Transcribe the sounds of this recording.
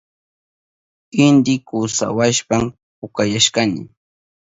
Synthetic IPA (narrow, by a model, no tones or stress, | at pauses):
ɪnd̪ɪkʊsa̰waʃpam | pʊkajaʃkanɪ̰